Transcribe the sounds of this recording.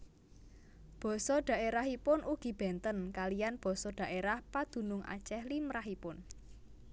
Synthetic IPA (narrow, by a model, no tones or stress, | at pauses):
b̥ɔ̤sɔɖ̥a̤ʔeɾaɦipʊnʔuɡ̥i̤b̥ɛ̤nt̪ənkalijanb̥ɔ̤sɔɖ̥a̤ʔeɾahpad̪̥ṳnʊŋʔa̰̥t͡ʃɛhlimɾaɦipʊn